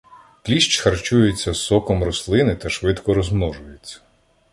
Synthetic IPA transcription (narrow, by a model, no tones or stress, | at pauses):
klʲiʃt͡ʃxɐrt͡ʃujet͡sʲːɐsɔkɔmɾɔslˠɪnɪt̪ɐʃʋɪd̪kɔɾɔzmnɔʒʊjet͡sʲːɐ̥